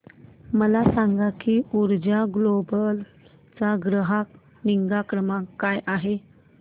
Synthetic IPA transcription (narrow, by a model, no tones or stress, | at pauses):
məlasaŋɡakiːuɾd͡ʑaɡlobəl | t͡saɡɾəɦak | niŋɡakɾəmakːajʔaɦe